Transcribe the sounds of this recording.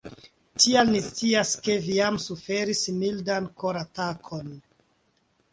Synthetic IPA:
tʰialnist͡siaske̞viamsufe̞ɾismildankoɾatakʰon

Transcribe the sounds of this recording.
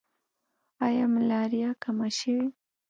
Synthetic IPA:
ajamɪlaɾɪjakamaʃawi

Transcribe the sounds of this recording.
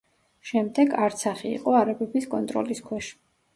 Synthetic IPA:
ʃɛmd̪ɛɡaɾt̪sʰaχiḭqʼɔaɾabɛbiskʼɔnt̪ʼɾɔ̰liskʰwɛʃ

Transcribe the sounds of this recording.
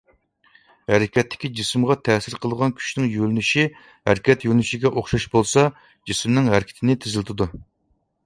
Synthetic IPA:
hæɾɪkʲʰɛt̪ːɪ̥kʲid͡ʒismʁɑt̪ʰɛsɪɾqʰəlˠəʁɑnkʲʰy̥ʃnɪŋjølnyʃi | hæɾkʲɛt̪jølʲnyʃiɡʲɛʔoχʃɑʃbolˠsɑ | d͡ʒismnɪŋɦæɾkʲʰɪ̥t̪ʰɪnɪt̪ʰɪzɪlɪt̪ʰɪd̪u

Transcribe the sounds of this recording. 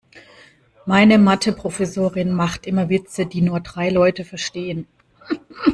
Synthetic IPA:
maɪnəmatʰəpʁ̥ofɛsoːʁɪnmaχtʔɪmɐvɪt͡sədiːnuːɐdʁaɪlɔʏtəfɛɐʃteːən

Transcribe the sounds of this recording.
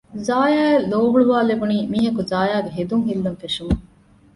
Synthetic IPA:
zaːjaːelːoːʋuɭuʋaːlebuniːmiːɦɐkuzaːjaːɡeɦed̪uŋɦilːɐnfeʂumu

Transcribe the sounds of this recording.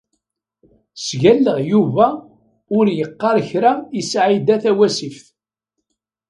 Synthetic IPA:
sʝælːəʁjuvæ | ʊɾjəqːɑɾçɾaisʕid̪æθæwæsifθ

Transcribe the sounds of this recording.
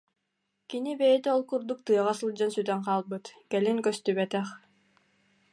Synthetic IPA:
kinibɛjɛt̪ɛɔlˠkuɾd̪uk̚t̪ɯɐʁasɯlˠd͡ʑansyt̪ɛŋqaːlˠbɯt̪kɛliŋkœst̪yβɛt̪ɛχ

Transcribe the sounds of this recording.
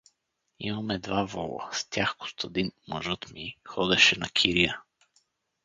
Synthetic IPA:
ḭmɐmɛd̪vavɔlˠə̰st̪ʲjaxkʊ̥st̪əd̪inmɐ̰ʒɤt̪mixɔd̪ɛʃɛnɐkʰiɾijə

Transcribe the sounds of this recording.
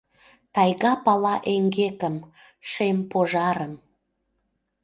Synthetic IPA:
t̪ɑjɣɑpɑlɑʔeŋɡekəm | ʃempoʒɑɾəm

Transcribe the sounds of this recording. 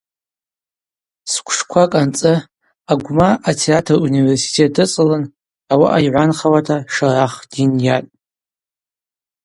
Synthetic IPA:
skʷʰʂkʷʰakʼant͡sʼɨ | aɡʷmaʔatʰeatʰɨruniversi̥tʰet̚ʼdɨt͡sʼɨlɨn | awa̰ʔajʕʷanχawatʰaʂaraχd̥injatʼ

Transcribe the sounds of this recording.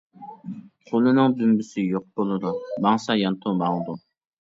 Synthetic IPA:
qʰolˠɨnɨŋb̪ymbysɪjoq̚bolˠɨd̪umɑŋsɑjɑnt̪ʰumɑŋd̪u

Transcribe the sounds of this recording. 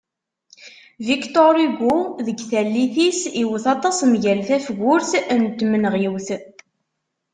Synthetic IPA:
vikt̪oɾiɡʷuðəɡθælːiθisiwəθɑt̪ˤɑsmʝælθæfɡʷʊɾθnt̪ːmənʁjəwθ

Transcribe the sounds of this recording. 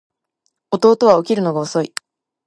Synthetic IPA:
o̞t̪o̞ːt̪o̞βao̞kʲiɾɯ̟no̞ɡaoso̞i

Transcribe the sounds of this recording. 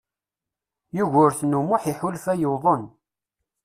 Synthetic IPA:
juʝʊɾθnumʊħiħʊlfæjəwðˤən

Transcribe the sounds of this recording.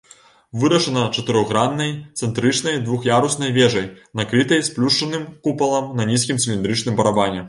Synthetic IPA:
vɨɾɐʂɐnɐt͡ʂɐt̪ɨɾɔɣɾanːɐjt̪sɛnt̪ɾɨt͡ʂnɐjd̪vuxjaɾusnɐjvʲɛʐɐjnakɾɨt̪ɐjsplʲuʂt͡ʂɐnɨmkupɐlˠɐmnɐnʲis̬kʲimsʲilʲind̪ɾɨt͡ʂnɨmbɐɾabanʲɛ

